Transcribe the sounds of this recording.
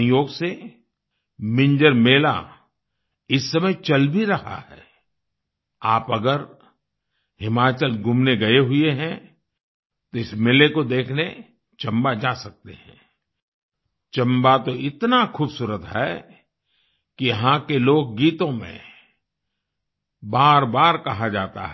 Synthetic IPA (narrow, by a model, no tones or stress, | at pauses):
joːɡse | mɪ̃ɲd͡ʒəɾmeːla̰ | ɪsːɐməjt͡ʃɐlbʱiɾɐha̰ɦɛ̰ː | aːpɐɡəɾ | hɪmaːt͡ʃəlɡʊmneɡɐeɦʊeɦɛ̃ | t̪oɪsmeːlekod̪eːkʰne | t͡ʃɐ̃mbad͡ʒaːsɐk̚t̪ḛɦɛ̰̃ː | t͡ʃɐ̃mbat̪oɪt̪naxuːbsuːɾət̪ɦɛ̰ː | kijɐɦãkeloːk̚ɡiːt̪õmḛ̃ | baːɾbaːɾkɐɦad͡ʒa̰ːt̪a̰ɦɛ